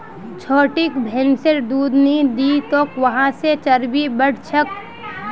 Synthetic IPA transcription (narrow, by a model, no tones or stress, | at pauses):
t͡ʃʰoːʈikbʱeːnseʈd̪uːd̪ned̪it̪oːkʋəɦãset͡ʃɐɾbibəɽ̤t͡ʃʰək